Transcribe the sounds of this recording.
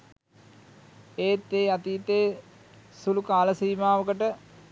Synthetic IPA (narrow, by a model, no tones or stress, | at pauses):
eːt̪ːeːat̪iːt̪eː | sulukaːləsiːmaːʋəkəʈə